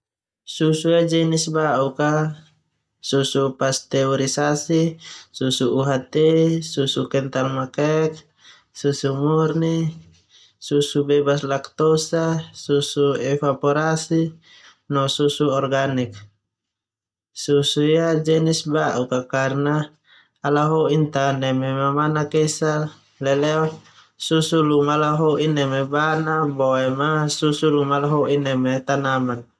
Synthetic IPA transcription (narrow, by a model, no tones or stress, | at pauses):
susujad͡ʒɛnisbaʔuka | susupast̪ɛɔɾisasisusuuɦat̪ɛsusukɛnt̪almakɛk̚ | susumurni | susubɛbaslakt̪ɔsasusuɛfapɔɾasi | nɔsusuɔrɡanik̚ | susuiad͡ʒɛnisbaʔukakarnaː | laɦɔʔint̪anɛmɛmamanakɛsa | lɛlɛɔ | susulumalaɦɔʔinɛmɛbanabɔɛmasusulumalaɦɔʔinɛmɛt̪anaman